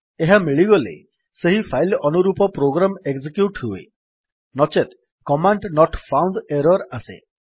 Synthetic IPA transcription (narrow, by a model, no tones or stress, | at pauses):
eɦamiɭiɡɔlḛ | seɦipʰajlɔnuɾupɔpɾoɡɾameɡsikjuʈɦuḛ | nɔt͡ʃet̪ | kɔmaɳɖnɔʈpʰawnd̪eɾɔɾasḛ